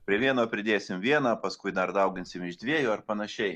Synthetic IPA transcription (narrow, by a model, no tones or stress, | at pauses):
pʲɾʲiɛʋʲiɛnoːpʲɾʲɪd̪ʲeːsʲɪmʋʲiɛnɑːpɐskʊɪd̪ɐɾd̪ɐʊɡʲɪnʲsʲɪmɪʒd̪ʲʋʲiɛjʊːɐɾpɐnɐʃʲɛɪ